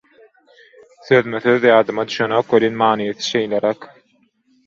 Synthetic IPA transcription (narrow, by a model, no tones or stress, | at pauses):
θøðymyθøðjɑːd̪ɯmɑd̪yʃønøkwelʲenmɑːnijeθɯ̥ʃejleɾæk